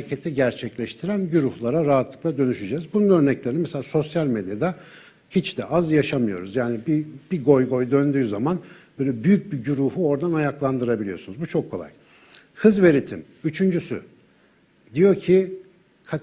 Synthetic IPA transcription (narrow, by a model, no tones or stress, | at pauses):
cʰe̞t̪ʰiɟæɾt͡ʃʰɛclʲɛʃt̪ʰiɾænɟyɾuhlˠaɾaɾaɦat̪lˠɯklˠad̪ø̞nyʃyd͡ʒɛːzbununø̞ɾnɛclʲe̞ɾinimɛseaːso̞sjalʲmed̪jad̪a | hit͡ʃd̪̥ɛʔazjaʃamɯjo̞̰ɾuzjaːnibib̥iɡo̞jɡo̞jd̪ønd̪yːzamanb̥øːjlʲɛbyjyc̚biɟyɾuhuo̞ɾd̪anajaklˠand̪ɯɾabilʲijo̞̰sunuzbut͡ʃʰo̞kʰːo̞lˠa̰j | hɯzve̞ɾit̪ʰim | yt͡ʃʰynd͡ʒysy̰ | d̪ijo̞ɾcʰi | kʰa